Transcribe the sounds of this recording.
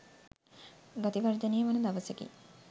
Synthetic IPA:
ɡat̪iʋaɾid̪enijəʋanɐd̪aʋəsekḭ

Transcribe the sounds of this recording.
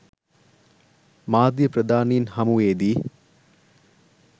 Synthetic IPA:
maːd̪jəpɾɐd̪ʱaːninhɐmuʋeːd̪i

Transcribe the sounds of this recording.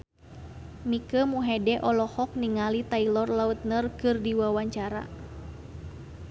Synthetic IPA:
mikəmuɦɛdɛʔɔlɔhɔk̚niŋalit̪ailɔrlaut̪̚nərkɨrdiwawaɲt͡ʃaɾa̰

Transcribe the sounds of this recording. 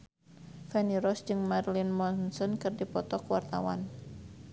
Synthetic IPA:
fɛniɾɔsd͡ʒɨŋmarlinmɔnsɔnkɨrdipɔt̪ɔkəwart̪awa̰n

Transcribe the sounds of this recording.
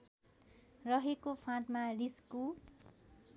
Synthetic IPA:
rʌɦekopʰãʈmarisku

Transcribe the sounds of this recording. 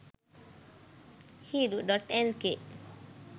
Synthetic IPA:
hiduʔdɔt̪ɛlkeʔ

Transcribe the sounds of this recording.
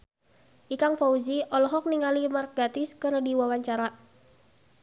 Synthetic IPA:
ʔikaŋfɔuziʔɔlɔɦɔk̚niŋalimark̚ɡat̪iskɨrdiwawaɲt͡ʃaɾa

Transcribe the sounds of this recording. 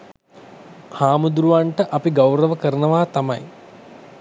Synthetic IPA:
haːmud̪ɾuʋaːɳʈɐʔɐpiɡɐwɾɐʋɐkɐɾɐɳɐʋaːt̪ɐmɐ̰j

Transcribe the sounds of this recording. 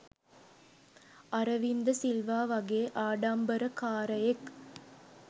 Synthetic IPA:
ʔɐɾɐʋind̪ɐsɪlʋaːʋɐɣeːʔaːɽaːmbɐɾɐkaːɾɐjek

